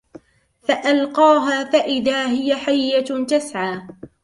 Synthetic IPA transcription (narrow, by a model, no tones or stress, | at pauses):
faʔalqɑːɦaːfaʔɪðaːɦɪjaħajːat̪asʕaː